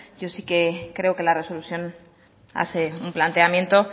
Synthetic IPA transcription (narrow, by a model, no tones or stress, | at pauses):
ɟ͡ʝo̞sike̞kɾe̞oke̞lare̞so̞luθjo̞n | a̰θe̞umplant̪e̞amje̞nt̪o̞